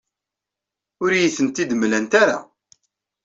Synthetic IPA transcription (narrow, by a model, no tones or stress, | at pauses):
ʊɾjiθənt̪id̪əmlænt̪aɾa̰